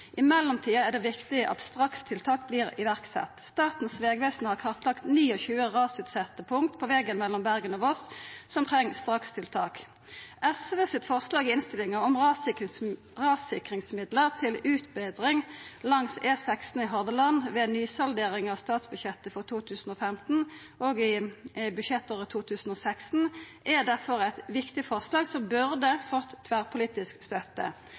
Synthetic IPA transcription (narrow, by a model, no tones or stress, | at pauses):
ʔɪmɛlːɔmt̪ʰiːɑɛʁd̪ɛʋɪkt̪ɪəʔɑ̰t̪st̪ʁɑkst̪ʰɪlt̪ʰɑːk̚bliːʁɪ̰ʋæʁksɛ̰t̪st̪ɑːt̪n̩sʋeːɡʋeːsn̩hɑʁkʰɑʁt̪lɑkt̪niːɔçʉːəʁɑːsʉːt̪sɛt̪ːəpʰʊŋkt̪pʰɔʋɛɡənmɛlːɔmbæʁɡənɔʋɔssɔmt̪ʰʁɛŋːst̪ʁɑkst̪ʰɪlt̪ʰɑːk | ʔɛsʋəsɪt̪fɔʁslɑːɡɪɪnst̪ɪlɪŋəɔmʁɑ | ʁɑːsɪkʁɪŋsmɪd̪ləʁt̪ʰɪlʉːt̪bɛd̪ʁɪŋlɑŋseːsækst̪n̩ɪɦɔʁd̪əlɑnʋɛnyːsɑld̪eːʁɪŋɑʋst̪ɑːt̪sbʉɕɛt̪ːəfɔʁt̪ʰuːt̪ʰʉːsn̩oːfɛmt̪n̩ | oɡɪbʉʃjɛt̪ːoːʁət̪ʰuːt̪ʰʉːsn̩ɔːsæksn̩ | ʔɛd̪æʁfɔʁæɪt̪ʋɪkt̪ɪfɔʁslɑːɡsɔmbʉʁd̪əfɔt̪ʰːʋæʁpʰʊliːt̪ɪskst̪œt̪ːə̰